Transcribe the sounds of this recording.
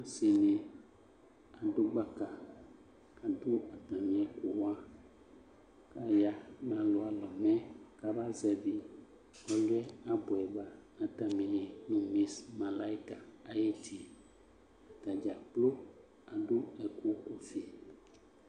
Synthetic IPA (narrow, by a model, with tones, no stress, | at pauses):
a˦si˨ne˨ | a˨do˦ɡ͡ba˦ka˨ | ka˨do˦a˨t̪ã˨mĩ˨˦ɛ˨ko˨wã˦ | ka˦ja˦nã˨lo˦a˨lɔ˨mɛ̃˦ka˦ba˦zɛ˨vi˨ | ɔ˨lu˦ɛ˦a˨bo˨ɛ˨ba˦nã˨ta˨mĩ˨nĩ˨nũ˨mĩ˨smã˨la˦i˦ka˨a˨je˦tʰi˨ | a˨t̪a˨d͡ʒa˨k͡plo˦ | a˨do˦ɛ˨kʰo˦ko˨fi˨